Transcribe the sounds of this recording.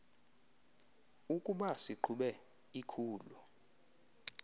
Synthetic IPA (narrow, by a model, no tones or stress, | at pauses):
ukʼuɓasiǃʰuɓɛ | ikʰuːlu